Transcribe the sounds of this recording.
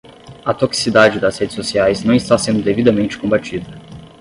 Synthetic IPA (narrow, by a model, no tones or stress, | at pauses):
ɐt̪oksi̥sid̪ad͡ʒɪd̪ɐshed͡ʒɪsosiajznɐ̃w̃ist̪asẽnd̪ʊd̪evid̪ɐmẽnt͡ʃɪ̥kõmbat͡ʃid̪ɐ